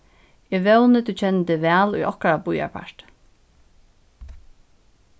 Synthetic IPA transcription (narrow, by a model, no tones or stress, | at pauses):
ɪʋɛwnət̪ʰut͡ɕʰɛnːt̪ɪʋæːlujʔɔ̰hkaɾabuja̰pʰa̰ɹt̪